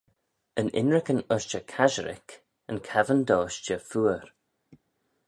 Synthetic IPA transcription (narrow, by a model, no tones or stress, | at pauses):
ənʔɪ̰nɹɪkənʊʃt͡ʃəkʰaʒəɾɪ̰k | ənkʰavənd̪ɔːʃt͡ʃəfuːəɹ